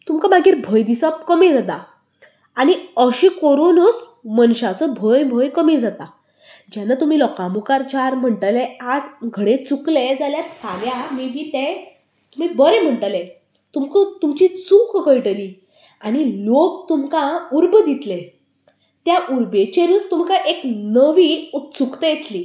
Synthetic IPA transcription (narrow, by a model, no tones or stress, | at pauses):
t̪umkamaɡiːɾbʱəjd̪isɔp̚kəmed͡zat̪a | aniəɕĩkoɾonəs | mənɕat͡səbʱəjbʱəjkəmed͡zat̪a | d͡ʑanat̪um̤iːlɔkãmukaɾt͡ɕaɾm̤əɳʈalead͡zɡʱəɽet͡sukled͡zaljat̪kʰaɡjamid͡ʑit̪ẽ | t̪um̤iːbəɾem̤əɳʈəle | t̪umkət̪umt͡ɕit͡sukɡəjʈəliː | añilok̚t̪umkãuɾbəd̪it̪le | t̪jaʔuɾbet͡ɕeɾust̪umkaʔeknəʋiut͡sukt̪ejet̪liː